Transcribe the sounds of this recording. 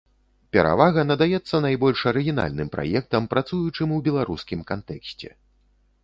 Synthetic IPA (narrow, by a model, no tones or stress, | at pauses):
pʲɛɾa̰vaɣɐnɐd̪ajɛt̪sːɐnajbɔlʲʂɐɾɨɣʲina̰lʲnɨmpɾa̰jɛk̚t̪ɐmpɾat̪sujut͡ʂɨmwbʲɛlˠaɾuskʲimkant̪ɛksʲt͡sʲɛ̰